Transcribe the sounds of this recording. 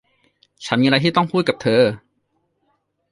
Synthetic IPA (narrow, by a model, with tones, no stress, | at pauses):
t͡ɕʰa˦˥nmiː˧ɾa˧jt̪ʰiː˥˩t̪ɔ˥˩ŋkʰuː˥˩ka˨˩p̚t̪ʰɤː˧